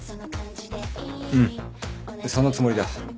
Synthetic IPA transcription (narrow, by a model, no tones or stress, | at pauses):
ɯ̟̃ɴ | so̞nːot͡sɨmoɾʲid̪a